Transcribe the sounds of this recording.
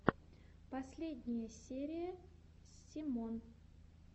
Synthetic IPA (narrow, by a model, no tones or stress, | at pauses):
pɐsʲlʲed̪ʲnʲɪjəsʲeɾʲɪjəsʲɪmon